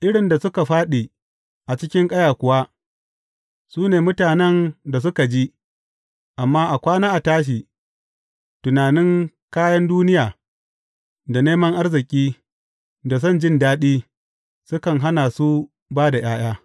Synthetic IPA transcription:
ʔɪ˦ɽɪ˨nda˨sʊ˦ka˨ɸaː˦ɗi˨ | ʔa˨t͡ʃɪ˦kʲɪ˦ŋkʼɐ˦jaː˨kʷʊ˨wa˦ | suː˦neː˨mʊ˦taː˨nɛ˦nda˨s̬ʊ˦ka˨d͡ʒi˦ | ʔa˨mːaː˦ʔa˨kʷaː˦naː˦ʔa˨taː˦ʃ̬iː˨ | tʊ˨naː˨nɪ˦ŋ | kaː˦jɐ˦nduː˦nɪ˦jaː˨ | da˨neː˦mɐ˦ŋʔa˦rzɪ˨kʲʼiː˦ | da˨s̬ɐ˦˨nd͡ʒɪ˦ndaː˦ɗiː˦ | sʊ˦kɐ˨ŋɦa˦na˨su˦ | baː˦da˨j̰aː˦j̰aː˦

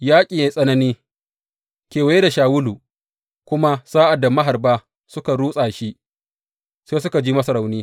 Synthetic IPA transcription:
jaː˦kʲʼi˨jeː˦sʼɐ˦nɐ˦niː˦ | kʲeː˨wa˨je˦da˨ʃaː˨wʊ˦luː˨ | kʷʊ˦ma˦saː˦ʔa˨dːa˨mɐ˦ɦa˨rbaː˦ | sʊ˦ka˨ɽuː˦sʼaː˨ʃi˦ʔ | seː˦s̬ʊ˦ka˨d͡ʒiː˦mɐ˦sɐ˨ɾa˨wniː˦

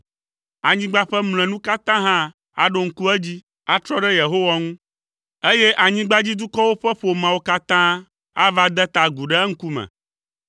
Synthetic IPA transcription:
a˨ɲĩ˦ɡ͡ba˦ɸɛ˦ml̃ɛ̃˨nũ˦ka˦t̪ã˦ɦã˦ | a̰˨ɖo˦ŋ̩˦ku˦ɛ˦d͡ʑi˦ | a˦t̪ɾɔ˦ɖɛ˦je˨ɦo˦wa˦ŋũ˦ | e˦je˦ʔa˨ɲĩ˦ɡ͡ba˦d͡ʑi˦d̪u˦kɔ˦wo˦ɸɛ˦ɸo˨mã˨wo˦ka˦t̪ã˦ | a˦va˦d̪ɛ˦t̪a˨ɡu˨ɖɛ˦ŋ̩˦ku˦mɛ̰̃˨

